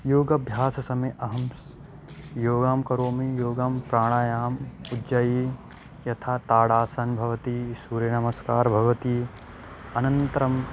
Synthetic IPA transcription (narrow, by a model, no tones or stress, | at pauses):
joːɡɐbʱjaːsɐsɐmɐʔɐɦɐms | joːɡaːmkɐɾoːmijoːɡaːmpɾaːɽ̃aːjaːmudd͡ʒɐji | jɐt̪ʰaːt̪aːɽaːsɐnbʱɐʋɐt̪isuːɾjɐnɐmɐskaːɾbʱɐʋɐt̪iː | ɐnɐnt̪ɐɾɐm